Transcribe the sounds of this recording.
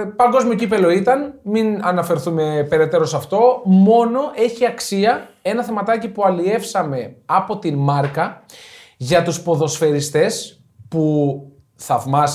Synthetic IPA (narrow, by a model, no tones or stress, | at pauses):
pɐŋɡo̞zmiocipe̞lo̞it̪ɐnminɐnɐfe̞ɾθume̞pe̞ɾe̞t̪e̞ɾo̞sɐft̪o̞mo̞no̞ʔe̞çiɐksiɐe̞nɐθe̞mɐt̪ɐcipuɐlie̞fsɐme̞ɐpo̞t̪inmɐɾkɐ | ʝɐt̪uspo̞ðo̞sfe̞ɾist̪e̞s | pu | θɐvmɐs